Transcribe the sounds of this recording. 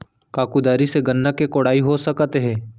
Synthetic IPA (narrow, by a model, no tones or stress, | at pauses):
kaːkud̪aːɾiseɡɐnːəkekoːɽaːiɦosɐkt̪eɦɛ̃ː